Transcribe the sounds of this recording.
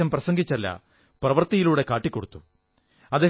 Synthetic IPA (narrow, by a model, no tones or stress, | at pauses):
ɐmprɐsɐŋɡit͡ɕːɐlːɐ̰ | prɐʋɐrt̪ijiluːɽe̞kaːʈːikʲːo̞ɽut̪ːu | ɐðeː